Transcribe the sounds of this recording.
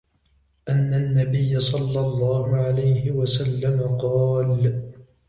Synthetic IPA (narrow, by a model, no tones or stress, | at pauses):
ʔanːanːabɪjːasˤɑlːɑlˤːɑːhʊʕalajhɪwasalːamaqɑːl